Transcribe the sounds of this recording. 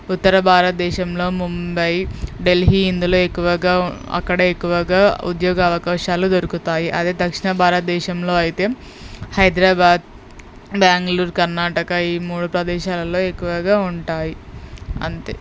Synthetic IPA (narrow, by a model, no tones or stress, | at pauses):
ut̪ːɐɾɐbʱaːɾɐt̪̚d̪ɛːʃɐmlo̞ːmumbɐjɖe̞lɦiːind̪ulo̞ːe̞kːuʋɐɡaːɐ̰kːɐɽɐekːuʋɐɡaːṵd̪jɔːɡɐːʋɐkaːʃaːlud̪oɾukut̪aːjiʔɐd̪eːd̪ɐkʂiɳɐbʱaːɾɐt̪̚d̪ɛːʃɐmlo̞ːɐjit̪e̞ː | hɐjd̪ɾaːbaːd̪̚ | bjaːŋɡɐluːɾkɐɾnaːʈɐkɐiːmuːɽupɾɐd̪ɛːʃaːlɐlo̞ːe̞kːuʋɐɡaːuɳʈaːjiɐ̰nt̪ḛ